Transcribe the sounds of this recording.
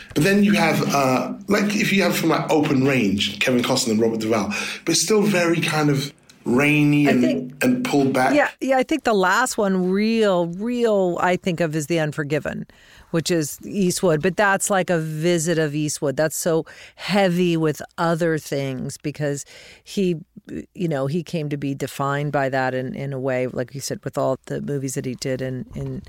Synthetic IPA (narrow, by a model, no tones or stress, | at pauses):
b̥ʌt̪̚ðɨ̃njɨəvʌlaɪkɪfjɨːv̥fɹʌ̃mlaɪoʊpʰɨ̃nɹẽɪ̃nʒ̥kʰɛvɨ̃nkʰɑsə̃nə̃nɹɑbə˞t̚d̥ɨvalˠb̥ʌɾɨtstɪlˠvɛɹikʰãɪ̃ndʌv | ɹẽɪ̃niaɪɨ̃nɪ̃ŋɨ̃npʰʊlˠd̚bækjæjæaɪθɪ̃ŋk̚ðəlæst̚wʌ̃nɹilˠɹilˠa̰ɪθɪ̃ŋkʌvɨzðiʌ̃nfə˞ɡɪvɨ̰̃n | wɨt͡ʃɪzist̚wʊd̚bʌt̪̚ðætslaɪkɨvɪzɨɾʌvist̚wʊd̪̚ðætsoʊhɛviwɪðʌðə˞θɪ̃ŋz̥b̥ɨkʰʌz̥ijɨnoʊikʰẽɪ̃mtɨbidɨfãɪ̃nbaɪðəɾɨ̃nʔɪ̰̃nəweɪlʔa̰ɪkwisɛd̚wɨðɔlˠðɨmʉvizðɨt̚hidɪɾɨ̃nɨ̃n